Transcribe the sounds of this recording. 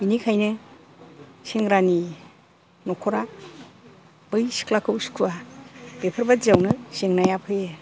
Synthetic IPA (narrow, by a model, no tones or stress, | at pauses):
binikʰajnɯ | seŋɾani | nɔkʰɔɾa | b̥ɯjsi̥kʰlakʰɯwskʰuwab̥epʰɯɾbazawnɯseŋnajapʰɯje